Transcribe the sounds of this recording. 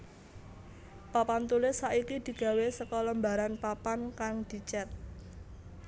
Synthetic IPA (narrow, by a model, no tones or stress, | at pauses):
papant̪ulɪsːaʔikid̪̥i̤ɡ̥ä̤wesəkɔləmbaɾanpapankaŋd̪̥i̤t͡ʃɛt̪̚